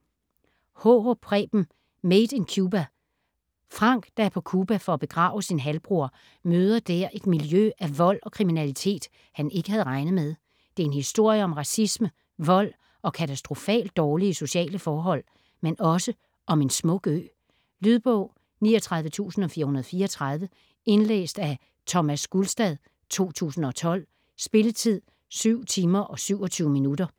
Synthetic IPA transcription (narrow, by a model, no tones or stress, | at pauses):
hoʁopʰʁɛ̰b̥m̩ | med̥enkʰjub̥æ | fʁɑ̈ŋ̰ɡ̥d̥ɑæɐpʰɒ̽kʰuːb̥æfɒ̽æb̥e̝ɡ̥ʁɑ̰̈ːʊəsinɦælb̥ʁuɐ | møːð̞ˠɐd̥æɐ̰ʔe̝d̥miljøʔæʋɒ̽l̰ɒ̽kʰʁiminælit͡sʰe̝̰ːd̥ | hæne̝ɡ̥əhæð̞ˠʁɑ̈ɪnð̩ˠmeð̞ˠ | d̥e̝e̝nhisd̥o̝ɐ̰jəɒ̽mʁɑ̈sismə | ʋɒ̽l̰ | ɒ̽kʰæt͡sʰæsd̥ʁo̝fɛ̰ːld̥ːɒːliəso̝ɕiɛ̰ːləfɒːɦɒ̽l̰ | menɒ̽sə | ʔɒ̽me̝nsmɔ̽ɡ̥ø̰ː | lyð̞ˠb̥ɔʊ̰ | niːɒt͡sʰʁɑ̈ðˠʋət͡sʰṵːsn̩ɒ̽fiːɐhunɐð̩ˠɒfiːɐɒt͡sʰʁɑ̈ðˠʋə | e̝nlḛːsd̥æ | t͡sʰɒ̽mæsɡ̥ulsd̥ɛðˠ | t͡sʰo̝̰ːt͡sʰṵːsn̩ɒ̽t͡sʰɒ̽l̰ | sb̥e̝lət͡sʰið̰ˠ | syʊ̰t͡sʰiːmɐʔɒ̽syʊ̰ɒ̽t͡sʰyːʊminudɐ